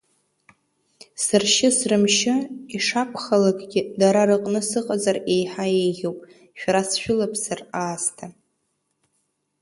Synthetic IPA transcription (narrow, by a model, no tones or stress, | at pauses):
sɨrʃɪsrɨmʃɪiʂapʷʰχalakʼɡʲɪdaɾaɾɨqʼnɨsɨqʼazare̞jħaejʁʲowpʼ | ʃᶣɾasʃᶣʊlapʰsaraːstʰa